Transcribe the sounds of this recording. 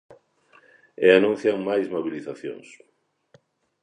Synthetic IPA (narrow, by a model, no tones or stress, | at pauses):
eanũn̟θjaŋmajzmoβiliθaθjo̰ŋs